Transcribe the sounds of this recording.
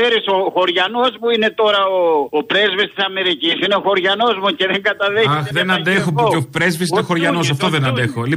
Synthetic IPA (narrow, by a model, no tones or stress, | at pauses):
eɾisoxo̞ɾʝɐno̞smuine̞t̪o̞ɾɐoopɾezvist̪i̥sɐme̞ɾicisineoxo̞ɾʝɐno̞zmoce̞ðeŋɡɐt̪ɐðeɐxðenɐnd̪exopuopɾezvisinexoɾʝɐnos̬ɐft̪oðenɐnd̪exoli